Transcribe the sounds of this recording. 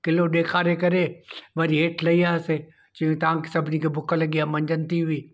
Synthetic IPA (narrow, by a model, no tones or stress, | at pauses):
kɪloɗeːkʰaːɾekɐɾeʋɐɾiɦeːʈʰlɐiaːse | t͡ʃiũt̪ɐʋãki̥sɐbʱɪnikʰebʊkʰəlɐɠiaːmɐ̃ɲd͡ʒənt̪iɦʊiː